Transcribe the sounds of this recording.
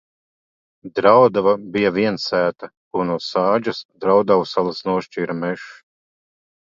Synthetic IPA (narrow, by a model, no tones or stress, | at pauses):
d̪ɾawd̪avabijavʲiɛnsæːt̪a | kunuɔsaːd͡ʒasd̪ɾawd̪awusalˠasnuɔʃt͡ʃiːɾamɛʃ